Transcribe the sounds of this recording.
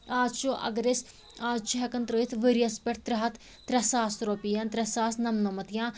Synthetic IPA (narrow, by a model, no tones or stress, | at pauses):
aːzt͡ʃoʔɐ̰ɡɾes | aːd͡ʒt͡ʃɦɛkɐnt̪ɾoːit̪ʰʋəɾijɐspʲɛʈt̪ɾɐɦɐt̪ | t̪ɾɐsaːst̪ɾoːpijant̪ɾɐsaːsnɐmnɐmɐt̪jãː